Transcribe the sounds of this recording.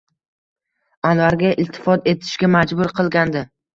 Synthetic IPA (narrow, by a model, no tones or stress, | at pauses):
anvaɾɡʲaʔɪlt̪ʰːɪ̥fɒt̪e̞t̪ʰɪ̥ʃɡʲamad͡ʒbʊɾqʰɨlˠɡʲand̪ɪ